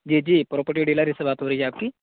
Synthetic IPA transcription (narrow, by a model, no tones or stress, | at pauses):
d͡ʒiːd͡ʒiːpɾoːpəʈjoɖiːlaɾisebaːt̪ɦoːɾɐijeaːp̚ki